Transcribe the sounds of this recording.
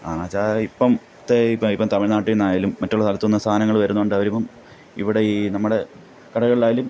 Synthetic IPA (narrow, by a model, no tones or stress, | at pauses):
aːat͡ɕːaipːɐm | ɐt̪ːeipːɐipːɐmt̪ɐmiɻɭnaːʈːinːaːjaːlumːɐtːuɭɐst̪ɐlɐt̪ːunːɐst̪ʰaːnɐŋːɐɭʋɐɾunːuoɳɖɐʋɐɾumːɐm | ḭʋiɽe̞iːnɐmːuɽe̞ | kɐɽɐɣɐɭlaːjalum